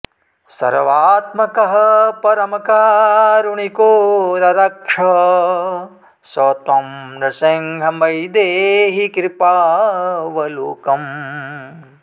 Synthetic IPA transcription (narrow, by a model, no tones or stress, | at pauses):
sɐ̰ɾʋaːt̪mɐkɐɦɐpɐɾɐmɐkaːɾuɳikoːnɐɾɐkʂɐ | sɔːt̪ɐmɾɐseŋɡʱɐmɐjd̪eːɦikɾipaːʋɐloːkɐm